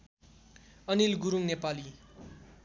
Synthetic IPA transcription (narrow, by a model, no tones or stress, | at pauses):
ʌnilɡuɾuŋnepali